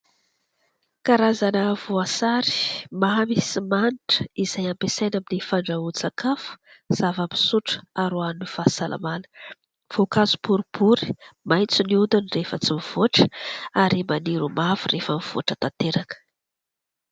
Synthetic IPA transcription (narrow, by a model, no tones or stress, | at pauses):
kaɾazanəvoasaɾi̥maɦamisimaniʈ͡ʂə̥izajampesajnaminifaɳɖ͡ʐaut͡sakafu̥z̥avami̥suʈ͡ʂə̥aɾoanunifasalʔa̰manə̥ | v̥okazu̥puɾubuɾi̥majt͡suniund̪unrefət͡simiv̥oʈ͡ʂə̥aɾimaniɾumavurefəmiv̥o̰ʈ͡ʂət̪at̪eɾakə̥